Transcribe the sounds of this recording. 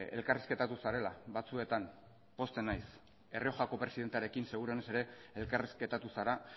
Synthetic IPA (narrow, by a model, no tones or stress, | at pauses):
elkariske̞t̪at̪usaɾe̞la̰bat͡sue̞t̪an | po̞st̪enajs | e̞rio̞ʝako̞pɾe̞siðe̞nt̪eaɾe̞kinse̞ɣ̞uɾe̞ne̞se̞ɾe̞elkariske̞t̪at̪usaɾa